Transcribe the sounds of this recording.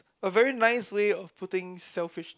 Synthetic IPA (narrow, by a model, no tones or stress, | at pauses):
əvɛɹinaɪsweɔfpʰʊtɪ̃ŋsɛlfɪʃ